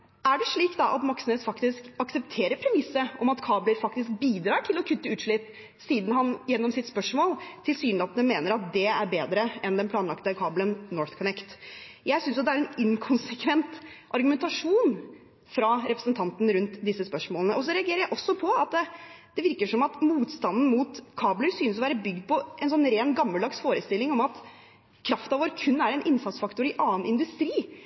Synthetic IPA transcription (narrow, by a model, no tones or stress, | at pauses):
æɖɛʂɭiːkd̪ɑʔɑt̪mɑksnəsfɑkt̪ɪskɑksɛpt̪ʰeːɾəɾpʰɾɛmɪsːəʔɔmɑt̪kʰɑːbləɾfɑkt̪ɪsk̚biːd̪ɾɑːʈʰɪlɔkʰʉt̪ːəʉːt̪ʂɭɪpː | siːd̪n̩ɦɑnjɛnːɔmsɪt̪spœʂmoːlt̪ʰɪlsyːnlɑːt̪nəmeːnəɾɑt̪̚d̪ɛæɾbeːd̪ɾəɛnd̪ɛnplɑːnlɑkt̪əkʰɑːblənnɔɹθkʰɔnɛkt̪jæɪsʏnsjɑt̪d̪ɛæɾɛnɪŋkʰɔnsɛkʰʋɛnt̪ʔɑɾɡʉmɛnt̪ɑʂuːn | fɾɑɾɛpɾəsənt̪ʰɑnt̪nɾʉnt̪d̪ɪsːəspœʂmoːlənəʔɔsɔɾɛɑɡeːɾəɾjæɪʔɔsːɔpʰɔɑt̪̚d̪ɛd̪̥ɛʋɪɾkəʂɔmɑt̪muːt̪st̪ɑnd̪n̩muːt̪kʰɑːbləɾsyːnəsɔʋæːɾəbʏɡd̪̚pʰɔʔɛnsɔnɾeːnɡɑmːəld̪ɑksfoːɾəst̪ɪlːɪŋɔmɑt̪ | kʰɾɑft̪ɑʋoːɾkʰʉnːæɾɛnʔɪnsɑt̪sfɑkt̪ʊɾɪʔɑːənɪnd̪ʉst̪ɾiː